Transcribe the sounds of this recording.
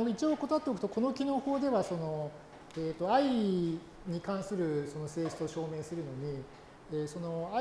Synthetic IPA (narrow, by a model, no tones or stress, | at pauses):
it͡ɕioko̞t̪oat̪ːeok̟t̪oko̞no̞kʲino̞ːhoːd̪e̞βaso̞no̞ | eːt̪ːo̞ai | ɲ̟ikãɰ̃sɨɾɯ̟so̞no̞se̞ːɕi̥t͡soɕo̞ːme̞ːsɨɾɯ̟no̞ɲ̟i | eːso̞no̞a